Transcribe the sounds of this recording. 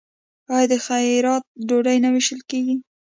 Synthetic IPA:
ɑjɑd̪əxajɾɑt̪̚ɖoɖajnawɪʃəlkeɡi

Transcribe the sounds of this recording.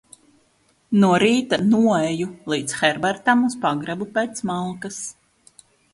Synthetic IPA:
nuɔɾiːt̪anuɔɛjulˠiːt̪sxɛɾbaɾt̪amuspaɡɾabupeːt̪smalˠkas

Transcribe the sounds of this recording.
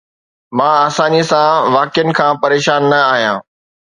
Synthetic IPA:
mãːsãːnd͡ʑisãʋaːkjənɪ̆kʰãːpɐɾeːʃaːnːɐaːɦijã̰ː

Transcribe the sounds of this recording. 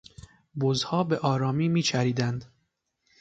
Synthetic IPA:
bozhɒːbeʔɒːɾɒːmiːmiːt͡ʃʰæɾiːd̪ænd̪

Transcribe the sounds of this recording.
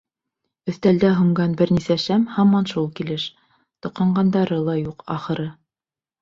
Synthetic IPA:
ɵ̆θt̪æld̪æɦŭɴɢɑnbɘ̆ɾnisæʃæmhɑmɑnʃulˠkilɘʃ | t̪ŏqʰɑɴɢɑnd̪ɑɾɤlˠɑjuqɑ̰χɤ̆ɾɤ

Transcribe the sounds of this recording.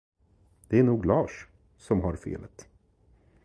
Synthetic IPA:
d̪ɛæɳuːɡlɑːʂ | sɔmɦaɾfḛːlət̪

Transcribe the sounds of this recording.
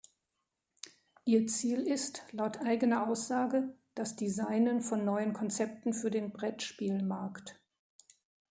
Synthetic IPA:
ʔiːɐt͡siːlɪstlaʊtʔaɪɡənɐʔaʊsz̥aːɡəd̥asd̥izaɪnənfɔnːɔʏənkʰɔnt͡sɛp̚tn̩fyːɐdeːnbʁɛtʃpiːlmaɐkt

